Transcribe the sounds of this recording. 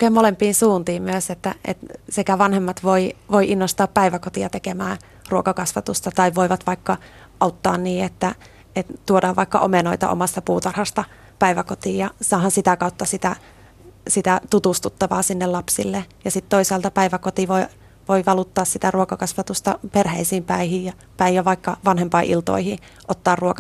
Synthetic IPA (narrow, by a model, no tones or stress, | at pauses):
kemolempiːnsuːnt̪iːmmyøset̪ːæʔḛt̪sekæʋɑnhemːɑt̪ʋoiʋoiʔinːost̪ɑːppæiʋækot̪iɑt̪ekemæː | ruokɑkɑsʋɑt̪ust̪ɑt̪ɑiʋʋoiʋɑt̪ʋɑikːɑ | ʔɑut̪ːɑ̰ːnniːet̪ːæ | et̪t̪uodɑːʋʋɑikːɑ̰ʔo̰menoit̪ɑ̰ʔo̰mɑst̪ɑpuːt̪ɑrhɑst̪ɑ | pæiʋækot̪iːjɑsɑːhɑnsit̪ækɑut̪ːɑsit̪æ | sit̪æt̪ut̪ust̪ut̪ːɑʋɑːsinːellɑpsḭlːejɑsit̪t̪oisɑːlt̪ɑpæiʋækot̪iʋoi | ʋoiʋɑlut̪ːɑːssit̪æruokɑkɑsʋɑt̪ust̪ɑperheisiːmpæihijjɑ | pæijɑʋɑikːɑʋɑnhempɑiʔḭlt̪o̰ihi | ʔot̪ːɑːrruokɑ